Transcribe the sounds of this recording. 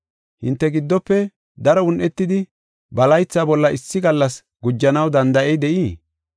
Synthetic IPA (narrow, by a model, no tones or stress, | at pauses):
hɪnt̪ːɛɡɪd̪ːɔpːɛ | d̪ɐɾɔʊnʔɛt̪ːɪd̪ɪ | bɐlɐjt͡sːaːbɔlːɐɪsːɪɡɐlːɐs | ɡʊd͡ʒːɐnɐwd̪ɐnd̪ɐʔɛjd̪ɛʔiː